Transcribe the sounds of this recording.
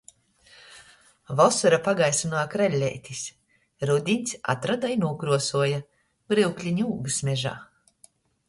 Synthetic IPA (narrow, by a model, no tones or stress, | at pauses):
vɔsuɾapaɡajsunaːkɾɛlʲːɛ̰jt̪ʲisʲ | ɾud̪ʲiɲʲt̪sʲa̰t̪ɾad̪ainuɔkɾuɔsuɔja | bɾiwklʲiɲʲuːɡɨsmʲɛʒa̰ː